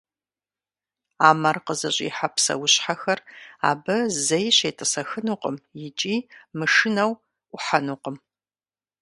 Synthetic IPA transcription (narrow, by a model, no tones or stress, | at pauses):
aːmɐrqəzɐɕʼḭːħapsɐ̰wʊɕħaxɐra̰ːbɐzɐjɕejtʰʼɨsɐxɨnuqʼəmjɪt͡ʃʼiːmɨʂɨnɐwʷ | ʊħanuqəm